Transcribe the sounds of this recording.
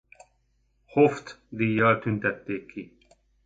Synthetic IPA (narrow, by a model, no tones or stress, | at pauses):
hoft̪d̪ijaɾt̪ʰunt̪ɐt̪ːeːkʰːi